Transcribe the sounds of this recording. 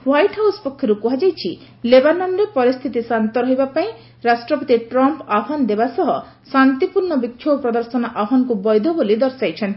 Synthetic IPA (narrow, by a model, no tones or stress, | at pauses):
wajʈɦawspɔkʰːjɔɾupuɦad͡ʒajt͡ʃʰi | lebanɔnɾepɔɾist̪ʰit̪isant̪ɔɾɔɦibapaĩ | ɾasʈɾɔpɔt̪iʈɾɔmpaɦɔnd̪ebasɔɦɔ | sant̪ipuɾɳɔbikʰːjopɾɔd̪ɔɾsɔnɔʔaɦɔnɔkubɔjd̪ʱɔbolid̪ɔɾsajt͡ʃʰen